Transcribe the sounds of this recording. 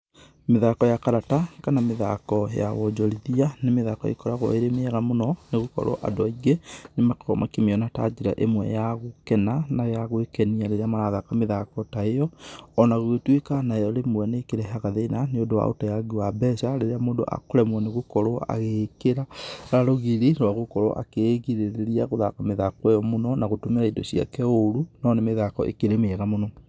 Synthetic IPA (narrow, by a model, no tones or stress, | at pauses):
meðakɔjakaɾatakanameða̰kɔja̰wɔd͡ʒɔɾiðianemeðakɔ̰ḛkɔɾaɣɔ̰eɾemeɛɣamonɔneɣokɔ̰ɾʔo̰ʔa̰dwaiɣenemakɔmʔakemeɔnata̰d͡ʒeɾa̰ʔemwɛ̰jaɣokɛnanajaɣwekɛniaɾeɾeamaɾaðakameðakɔtaejɔɔnaɣoetwekanaejɔɾemwɛnekeɾɛɦaɣaðeːnaneondowa̰o̰tajaɡiwabɛsaɾeɾeamoːndo̰ʔa̰koɾɛmwɔneɣokɔɾoa̰ɣekeɾaɾaɾoɣiɾiɾwaɣokɔɾɔ̰ʔa̰keɣiɾeɾeɾiaɣoðakameðakwejɔmonɔnaɣotomeɾaidɔsia̰kɛoɾunɔnemeðakɔ̰ʔḛkeɾemeɛɣamonɔ